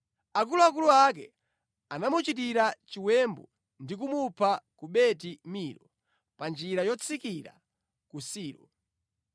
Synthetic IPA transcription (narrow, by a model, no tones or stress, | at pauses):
akuluak̬uluakɛ̰ | anamut͡ʃit̬iɾat͡ʃiwɛmbɔ | ndik̬umupʰakuɓɛtimiːɾɔ | pand͡ʒiɾajɔt͡sʰikiɾa̰ | kusiːɾɔ̰